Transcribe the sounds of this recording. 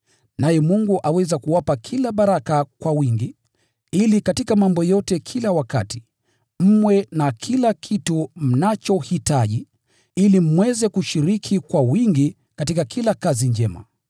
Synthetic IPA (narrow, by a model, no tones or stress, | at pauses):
najɛmuŋɡuʔawɛzakuwapakʰilaɓaɾakakwawiŋɡi | ilikatikamambɔjɔtɛkʰilawakati̥ | m̩mwɛnakʰilakʰitum̩nat͡ʃɔhitaʄi | ilim̩wɛzɛkuʃiɾikʰikwawiŋɡi | katikakʰilakaziɲd͡ʒɛma̰